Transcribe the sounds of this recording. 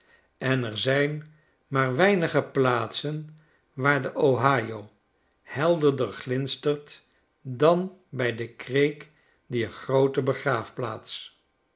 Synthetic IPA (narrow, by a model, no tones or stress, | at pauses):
ɛnɛɹzɛjn | maːɹʋɛjnəχəplaːtsən | ʋaːɹdəʔowɦaːjow | hɛlˠdəɹdərχlɪnstəɹt | dɑnbɛjdəkrejk | diχrowtəbəχraːfplaːts